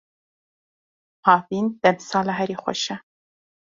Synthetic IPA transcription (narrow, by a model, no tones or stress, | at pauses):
hɑːvind̪̥ɛmsɑːlaɦɛɾixʷɔ̰ʃɛ